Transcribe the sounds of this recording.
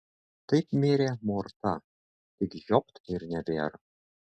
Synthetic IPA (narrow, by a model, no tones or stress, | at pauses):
t̪ɐɪpmʲeːɾʲeːmort̪ɐ | t̪ʲɪkʒɔp̚t̪ɪɾnʲɛbʲeːɾ